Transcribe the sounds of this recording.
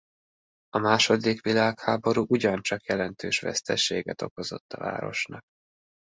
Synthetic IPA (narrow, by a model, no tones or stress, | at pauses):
ɒmaːʃo̞d̪ikʋilaːkhaːbo̞ɾuːʔuɟɒnt͡ʃɒkjɛlɛnt̪ʰøːʃʋɛ̰st̪ɛʃeːɡɛt̪o̞ko̞zo̞̰t̪ːɒva̰ːɾo̞̰ʃnɒk̚